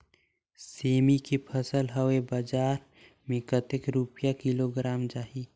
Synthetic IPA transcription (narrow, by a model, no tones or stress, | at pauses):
seːmikepʰəsəlɦəwebəd͡ʒaːɾ | mẽkət̪ɪkɾupjakiloɡɾaːmd͡ʒaːɦi